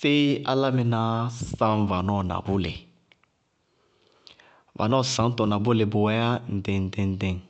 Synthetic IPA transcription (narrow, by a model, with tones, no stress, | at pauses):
fe˦a˦la˦mɪ˨nã˨sã˦m˨va˨nɔ˦˨na̰˨bʊ˦lḛ˨ | va̰˨nɔ˦˨sã˨˦tɔ˨na˨bʊ˦le˨bʊ˨wɛ˦ja˦n̩˨dɛ̃˨n̩˦dɛ̃˦n̩˦dɛ̃˦˨ŋ